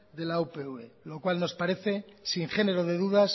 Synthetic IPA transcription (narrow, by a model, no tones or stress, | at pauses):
ðe̞laupe̞uelo̞kwalno̞spaɾe̞θe̞siŋxene̞ɾo̞ðe̞ðuðas